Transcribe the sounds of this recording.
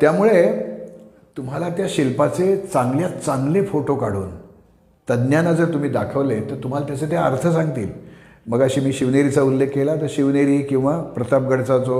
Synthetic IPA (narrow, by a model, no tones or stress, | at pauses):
t̪jamuɭe | t̪um̤ɦalat̪jaɕilpat͡set͡sãŋɡljat͡sãŋɡlefoʈokaɽ̤ṵːn | t̪əd̪njanad͡zəɾt̪um̤iːd̪akʰəʋlet̪əɾt̪um̤alat̪jat͡set̪eəɾt̪ʰəsãŋɡt̪ḭːl | məɡəɕiːmiːɕiʋneɾit͡saulːekːelat̪əɾɕiʋneɾiːkĩw̃ʋapɾət̪ap̚ɡəɽt͡sat͡so